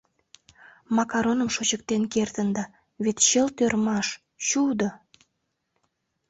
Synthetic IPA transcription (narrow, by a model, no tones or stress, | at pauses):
mɑkɑɾonəmʃot͡ɕək̚t̪enkert̪ənd̪ɑ | βet̪ɕəlt̪ørmɑʃ | ɕud̪o